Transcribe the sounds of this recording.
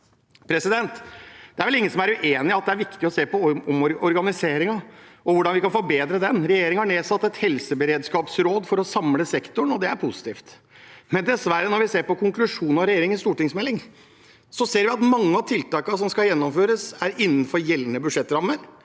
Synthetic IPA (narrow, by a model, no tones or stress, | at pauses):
pʰɾɛsɪd̪ɛnt̪d̪ɛæɾʋɛlɪŋːənsɔmæɾʉʔeːnɪɑt̪̚d̪ɛæɾʋɪkt̪ɪɔseːpɔɔmɔɾɔɾɡɑnɪseːɾɪŋɑɔʋʊɖɑnʋɪkɑnfɔɾbeːd̪ɾəd̪ɛnɾɛjeːɾɪŋəhɑɳeːsɑt̪ːɛt̪hɛlsəbəɾeːd̪skɑːpsɾoːd̪fɔɾɔsɑmləsɛkt̪ʊɳɔd̪ɛæɾpʰʊsɪ̥t̪ʰiːft̪ | mɛnd̪ɛsʋæɾːənɔɾʋɪseːɾpɔkʰʊŋklʉʂuːnɑɾɛjeːɾɪŋənst̪uːʈɪŋsmɛlːɪŋ | sɔseːɾʋɪɑt̪mɑŋːəɑt̪ʰɪlt̪ɑːkəsɔmskɑljɛnːɔmføːɾəsæɾɪnːənfɔɾjɛlːənəbʉʂɛt̪ːɾɑmːəɾ